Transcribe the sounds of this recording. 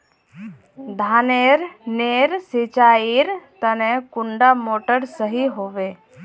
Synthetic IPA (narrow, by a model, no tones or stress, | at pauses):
d̪ʱaːneːɾneːɾsɪt͡ʃaːiɾt̪ənẽkʊɳɖamoːʈəɾsəɦiɦoːʋe